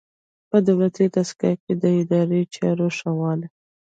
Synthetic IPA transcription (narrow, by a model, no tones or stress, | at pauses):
pəd̪awlat̪it̪askɑ̰ked̪əɪd̪ɑɾet͡ʃɑ̰ɾoʃawɑl